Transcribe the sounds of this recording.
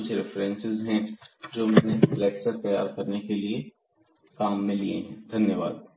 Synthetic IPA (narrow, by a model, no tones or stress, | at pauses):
ʊd͡ʒʰɾɪfɾɛ̃nsɪzɦɛ̃d͡ʒoːmɛːneflɛːksɐɾt̪ɐja̰ːɾkɐɾnekelie | kaːmːɪ̃liḛɦɛ̃d̪ʱɐnjəʋaːd̪̚